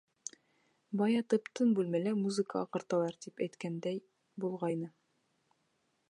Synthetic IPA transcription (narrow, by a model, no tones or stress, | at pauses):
bɑjɑt̪ɤ̆pt̪ɤnbʉlmælæmuzɨkə̰ːqɤ̆ɾt̪ɑ̆lˠɑɾt̪ipæjt̪kænd̪æj | bulˠʁɑjnɤ